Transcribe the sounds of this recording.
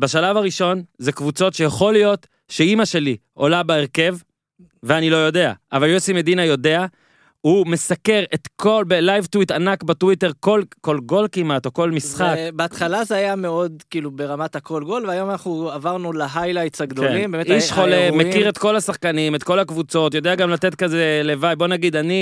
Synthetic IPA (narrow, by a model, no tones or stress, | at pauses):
beʃalavaʁiʃo̞nzekvut͡so̞tʃejaχo̞lijo̞t | ʃeimaʃe̞liʔo̞labeeʁke̞v | veanilo̞jo̞de̞a̰ʔavaljosimedinajo̞de̞a | hume̞sake̞ʁetkʰolbelajvtwitanakbetwite̞ʁkolko̞lɡo̞lkimato̞ko̞lmisχakbeat̪χalazeajameo̞d̪kiːlubeʁamatako̞lɡo̞lveajo̞manaχnuavaʁnulaɦajlajtsaɡd̪oimbeːmeiʃχo̞lemekiʁe̞t̪ko̞lasaχkanimetko̞lakvut͡so̞tjo̞d̪eaɡamlate̞tkaze̞le̞vajbo̞naɡid̪ani